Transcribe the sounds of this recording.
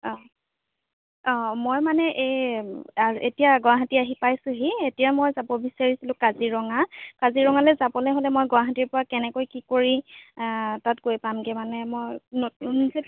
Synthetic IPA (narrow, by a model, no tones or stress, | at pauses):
ɔ̃ | ɔ̃mojmanɛʔe | aʔetijaɡɔwaɦatiaɦipajsʊ̃ɦietijamojzabɔbisaɹisilʊ̃kaziɹɔŋakaziɹɔŋalɛzabɔlɛɦolɛmojɡɔaɦatiɹpɔɹakɛnɛkojkikoɹi | tatɡojpamɡɛmanɛmojnonze